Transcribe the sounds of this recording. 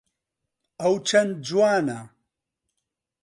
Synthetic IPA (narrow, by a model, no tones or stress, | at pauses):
ɐwt͡ʃʰɐnd̪̚d͡ʒuwaːnɐ